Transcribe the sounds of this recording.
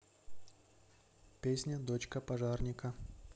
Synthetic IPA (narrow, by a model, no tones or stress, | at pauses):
pʲesʲnʲəd̪ot͡ɕkəpɐʐarnʲɪkə